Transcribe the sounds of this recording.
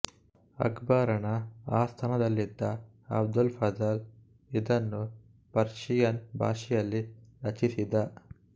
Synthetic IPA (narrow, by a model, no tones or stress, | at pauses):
ɐ̰ɡbaːɾɐɳɐaːst̪ʰɐnɐd̪ɐlːid̪ːɐ | ɐ̰b̚d̪ulfɐzɐl | id̪ɐnːu | pɐɾʂijɐnbʱaːʂijɐlːiɾɐt͡ʃisid̪ɐ